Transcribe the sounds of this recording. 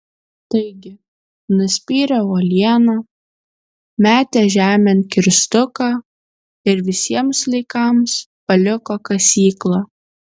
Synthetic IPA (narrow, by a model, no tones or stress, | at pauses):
t̪ɐɪɡʲɪ | nʊsʲpʲiːɾʲɛoːlʲiɛnɑ | mʲæːt̪ʲɛʒʲæːmʲɛnkʲɪɾʲst̪ʊkɑ | ɪɾʋʲɪsʲiɛmslʲˠɐɪkɐmspɐlʲʊkoːkɐsʲiːklˠɑː